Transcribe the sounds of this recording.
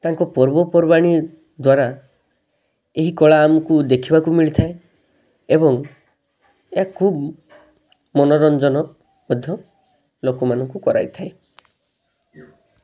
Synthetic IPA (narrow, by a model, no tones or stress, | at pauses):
t̪aŋkɔpɔɾbɔpɔɾbaɽ̃i | d̪waɾa | eɦikɔɭaːmɔkud̪ekʰibakumiɭit̪ʰae | ebɔŋ | eakʰub | mɔnɔɾɔnd͡ʒɔnɔ | mɔd̪ʱjɔ | lokɔmanɔŋkukɔɾa̰jt̪ʰae